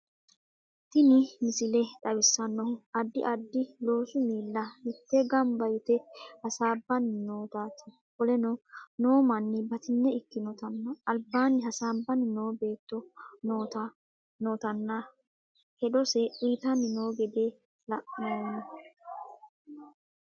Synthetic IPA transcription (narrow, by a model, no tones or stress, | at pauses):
t̪ɪnɪmɪsɪlɛᶑɐwɪsːɐnːɔhʊɐd̪ːɪʔɐd̪ːɪlo̞ːsʊmiːlːɐnɪt̪ːɛɡɐmbɐjt̪ɛhɐsaːbːɐnːɪnoːt̪aːt̪ɐ̥ | kɔlɛnɔno̞ːmɐnːɪbɐt̪ɪnːɛɪkːɪnɔt̪ɐnːɐɐlbːaːnːɪhɐsaːbːɐnɪno̞ːbe̞ːt̪ːɔnoːt̪ɐ | noːt̪ɐnːa | hɛᶑɔsɛʔiːt̪ɐnɪno̞ːɡɛd̪eː | lɐʔɪnoːnɐ